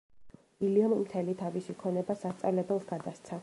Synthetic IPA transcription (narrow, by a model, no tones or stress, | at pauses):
iliammt̪ʰɛlit̪ʰavisikʰɔnɛbasast̪sʼalɛbɛlˠsɡad̪ast̪sʰa